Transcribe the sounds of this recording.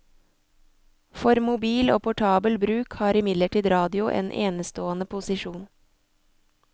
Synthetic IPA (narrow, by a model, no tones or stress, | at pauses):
fɔɾmʊbiːloːpʰʊʈʰɑːbəlbɾʉːkhɑːɾɪmɪd̪ləʈiːd̪ɾɑːd̪ɪʊʔḛːnʔḛːnəst̪oːənəpʰʊsɪʃuːn